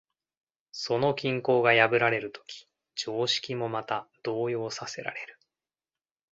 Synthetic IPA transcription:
so̞no̞kʲĩŋko̞ːɡajabɯ̟ɾaɾe̞ɾɯ̟t̪o̞̥kʲʰi̥ | d͡ʑo̞ːɕi̥kʲimo̞mat̪ad̪̥o̞ːjo̞ːsase̞ɾa̰ɾe̞ɾɯ̟

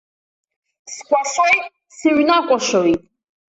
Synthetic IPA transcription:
skʷʰaswajʼ | siɥnakʷʼaʃowitʼ

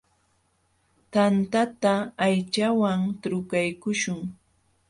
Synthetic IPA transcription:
t̪ant̪at̪aːjt͡ʃawaŋt̪ɾʊkajkʊʃʊŋ

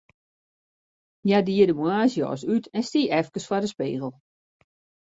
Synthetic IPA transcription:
jadiədəmuaːsjɔ̰ːs̬ytʰɛnstiːʔɛfkəsfɔdəspeːɣəl̩ˠ

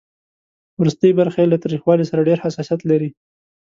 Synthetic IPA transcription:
wɾust̪əjibaɾxaelat̪ɑɾixwɑlisaɾaɖeɾhasɑsijat̪laɾi

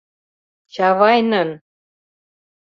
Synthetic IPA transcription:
t͡ɕɑβɑjnən

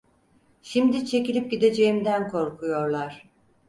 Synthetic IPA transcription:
ʃimd̪it͡ʃʰe̞cilʲip̚ɟid̪e̞d͡ʒe̞jimd̪ænkʰo̞ɾkʰujo̞ɾlˠaɾ̥

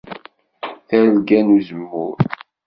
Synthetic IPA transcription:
θæɾlɡænuzəmːʊ̰ɾ

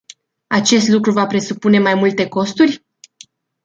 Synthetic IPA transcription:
at͡ʃe̞st̪lukɾuvapɾe̞supune̞majmult̪e̞ko̞st̪urʲ

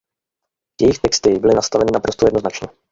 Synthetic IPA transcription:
jɛjɪxt̪ɛkst̪ɪbɪlɪnast̪avɛnɪnapɾo̞st̪ojɛdnoznat͡ʃɲɛ

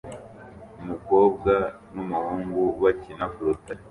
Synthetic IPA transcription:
umuko̞ːb̚ɡa | numuhuːŋɡuβacinafuɾuta

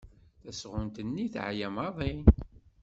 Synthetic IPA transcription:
θæsʁʊnt̪ənːiθʕjæmɑðˤin

